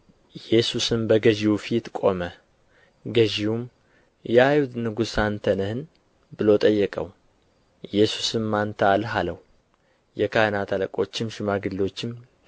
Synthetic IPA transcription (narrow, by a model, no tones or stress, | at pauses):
jɛsusɨmbəɡəʒiwufit̪kʼo̞mə | ɡəʒiwum | jɛajud̪nɨɡusant̪ʰənəhɨn | bɨlo̞t̪ʼəjːɛkʼə̰w | jɛsu̥sɨmːant̪ʰəalɦaləw | jɛkʰanat̪ʰaləkʼo̞t͡ʃːɪmʃɪmaɡɨlːo̞t͡ʃːɪm